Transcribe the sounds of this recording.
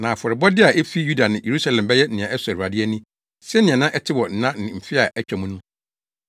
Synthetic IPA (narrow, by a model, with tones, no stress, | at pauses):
nã˨fɔ˨ɾɪ˨bɔ˦dɪ˦a˨ʔe˦fi˦ju˦da˨nɪ̃˨jʔe˨ɾu˦sa˦lɛ̃˨mbɛ˦jɛ˦n̩˦nɪ̃˨ã˨ʔɛ˦sɾa˨dɪ˦ɛ˦nĩ˦ | sɛ˦nɪ̃˨ã˨nã˦ʔɛ˦tʰɪ˦wɔ˨n̩˦nã˦nɪ̃˨m̩˨fɪ˦a˨ʔɛ˦t͡ɕᶣɛ˨mũ˦nũ˦